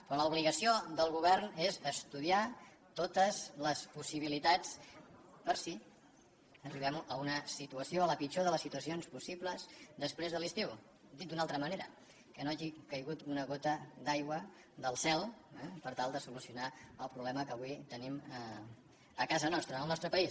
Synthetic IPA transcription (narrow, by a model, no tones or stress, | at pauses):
pɾoləuβ̞liɣəsiod̪əlˠɣuβɛrnezəst̪uðia | t̪ot̪əzləspusiβ̞ilit̪at͡s | pəɾsi | əriβ̞ɛməunəsit̪uəsioələpit͡ʃoðələsːit̪uəsionspusibləzd̪əspɾezðəlist̪iw | d̪it̪̚d̪unalˠt̪ɾəməneɾə̰ | kənoaʒikəjɣut̪unəɣ̞ot̪əd̪ajɣwə | ðəlˠsɛlˠɛpəɾt̪alˠd̪əsulusiunaəlˠpɾuβlɛməkəβuit̪ənimə | əkazənɔst̪ɾəəlˠnɔst̪ɾəpəis